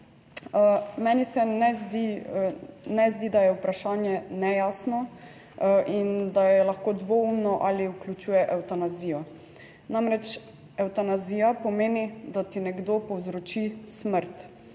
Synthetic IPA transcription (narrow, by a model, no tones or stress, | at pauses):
mɛnisɛnɛzd̪i | nɛzd̪id̪ajɛupɾaʃaːnjɛnɛjasnɔ | ʔind̪ajɛlaxkoːd̪ʋoumnɔʔaliuklʲut͡ʃuːjɛʔɛwt̪anaziːjɔ | namɾɛt͡ʃ | ɛwt̪anazijapɔmeːnid̪at̪inɛɡd̪opɔwzɾɔt͡ʃisməɾt̪